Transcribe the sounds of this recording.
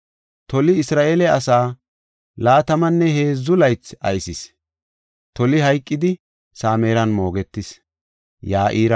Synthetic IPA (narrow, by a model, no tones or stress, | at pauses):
t̪ɔlɪɪsɾaːʔeːlɛɐsaː | laːt̪ɐmɐnːɛhe̞ːzːʊlɐjt͡sɐ̰jsɪs | t̪ɔlɪɦɐjkʼːɪd̪ɪ | saːmeːɾɐnmo̞ːɡɛt̪ːɪs | jaːʔiːɾɐ